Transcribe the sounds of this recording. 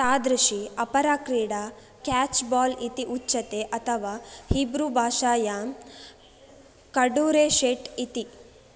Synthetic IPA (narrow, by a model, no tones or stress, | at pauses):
t̪aːd̪ɾɐʃiɐpɐɾaːkɾiːɽa | kaːt͡ʃbaːlit̪iʔut͡ʃːʃɐt̪eːʔɐt̪ʰɐʋaːhibɾubʱaːʃaːja | kɐɖuːɾeːʃeːʈit̪i